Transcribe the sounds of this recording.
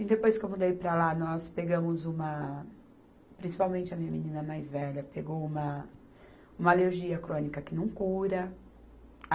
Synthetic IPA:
id̪epojskewmud̪ejpɾɐlanɔspeɡɐ̃mʊzũmɐ | pɾʲĩsi̥pawmẽnt͡ʃɪɐmĩɲɐminĩnɐmajzvɛʎɐpeɡowũmɐ | ũmɐaleɾʒiɐkɾõnikɐkɪnɐ̃w̃kuɾɐ

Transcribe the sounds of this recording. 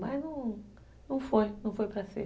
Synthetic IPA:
maznɐ̃w̃ | nɐ̃w̃fojnɐ̃w̃fojpɾɐsḛ

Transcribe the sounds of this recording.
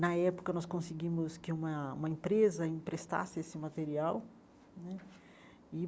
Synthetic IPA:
nɐɛpʊ̥kɐnɔskõsɪɡĩmʊskɪũmɐṵ̃mɐẽpɾezɐĩpɾest̪a̰sɪesɪmat̪eɾiaw | nɛ | ɪ

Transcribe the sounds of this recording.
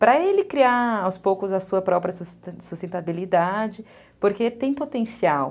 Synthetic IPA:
pɾɐelɪkɾiaawspowkʊzɐsuɐpɾɔpɾɐsssust̪ẽnt̪abilid̪ad͡ʒɪ | poɾket̪ẽj̃pot̪ẽsiaw

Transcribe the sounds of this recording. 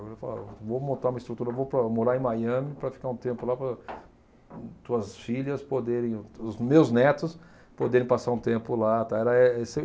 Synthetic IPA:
lefa̰la̰vowmõnt̪aɾumɐɪst̪ɾut̪uɾɐvowpɾɐmoɾaẽj̃majɐ̃mɪpɾɐfi̥kaɾũt̪ẽmpʊlapɾɐ | t̪uɐsfiʎɐspod̪eɾẽj̃ʊzmewznɛt̪ʊs | pod̪eɾẽj̃pasaɾũt̪ẽmpʊlat̪aɛɾɐɛesɪ

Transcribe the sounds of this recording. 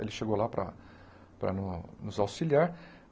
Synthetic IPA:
ḛlɪʃeɡowlapɾɐ̰ | pɾɐ̰nʊnʊzawsiliaɾ

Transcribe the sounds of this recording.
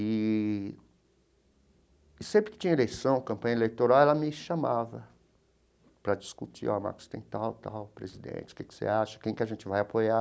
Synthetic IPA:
ɪ | ɪsẽpɾɪkɪ̥t͡ʃĩɲɐelejsɐ̃w̃kɐ̃mpɐ̃ɲɐelejt̪oɾawɛlɐmɪʃamavɐ | pɾɐd͡ʒiskut͡ʃḭɔma̰ɾkʊ̥st̪ẽj̃t̪awt̪a̰wpɾezid̪ḛ̃t͡ʃɪʊ̥kɪkɪ̥sḛaʃɐ̥kẽj̃kɪaʒẽnt͡ʃɪvajapoja

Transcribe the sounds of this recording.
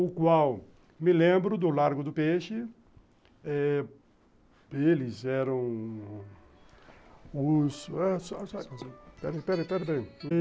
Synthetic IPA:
ʊkwaw | mɪlẽmbɾʊd̪ʊlaɾɡʊd̪ʊpeʃɪ | ɛ | elɪzɛɾɐ̃w̃ | ʊsɛsɔsakasĩpɛɾpɛɾpɛɾbẽj̃

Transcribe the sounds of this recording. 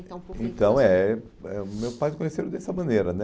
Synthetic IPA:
ɐ̃ẽt̪ɐ̃w̃ɛ | ɛmewpajd̪ʊkõɲeseɾʊd̪ɛsɐmɐ̃neɾɐnɛ

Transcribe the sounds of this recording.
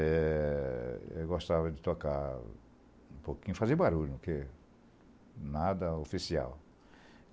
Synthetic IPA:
ɛ | ḛwɡost̪avɐd͡ʒɪt̪oka | ũpokĩɲʊfazebaɾuʎʊke | nad̪ɐofisia̰w

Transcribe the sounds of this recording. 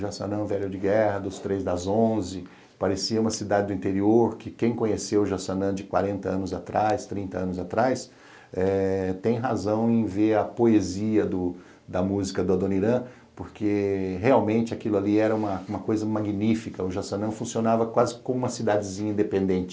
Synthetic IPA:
ʊʒasɐ̰̃nɐ̃vɛlʊd͡ʒɪɡɛhɐd̪ʊst̪ɾezd̪ɐzõzɪ | paɾesiɐũmɐsid̪ad͡ʒɪd̪ʊĩnt̪eɾioɾkɪkẽj̃kõɲesewʊʒasɐ̃nɐ̃d͡ʒɪkwa̰ɾẽnt̪ɐɐ̃nʊzat̪ɾajst̪ɾĩnt̪ɐɐ̃nʊzat̪ɾajs | ɛt̪ẽj̃ɦazɐ̃w̃ẽj̃veɾɐpoeziɐd̪ʊ | d̪ɐmuzikɐd̪ʊad̪õniɾɐ̃ | poɾkeɦeawmẽnt͡ʃɪakilʊaliɛɾɐũmɐũmɐkojzɐmaɡinifikɐʊʒasɐ̃nɐ̃fũsionavɐkwazɪkõmũmɐsid̪ad͡ʒɪzĩɲɐĩd̪epẽnd̪ẽnt͡ʃɪ

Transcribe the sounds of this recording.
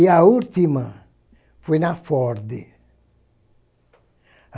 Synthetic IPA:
iault̪imɐ | fojnafɔɾd̪ɪ

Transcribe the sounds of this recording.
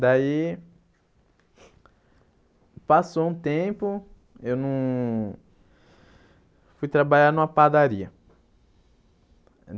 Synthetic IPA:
d̪ai | pasoũt̪ẽpʊ | ewnɐ̃w̃ | fujt̪ɾabaʎaɾnũmɐpad̪aɾiɐ

